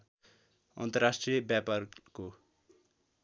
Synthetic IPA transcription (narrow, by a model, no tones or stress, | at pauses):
ʌ̰nt̪ʌrasʈrijʌbjaparko